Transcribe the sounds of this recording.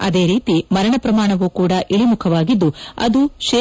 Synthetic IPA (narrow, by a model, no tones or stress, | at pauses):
ɐ̰d̪e̞ːɾiːt̪imɐɾɐɳɐpɾɐmaːɳɐʋuːkuːɽɐʔiɭimukʰɐʋaːɡid̪ːuɐ̰d̪uʃeː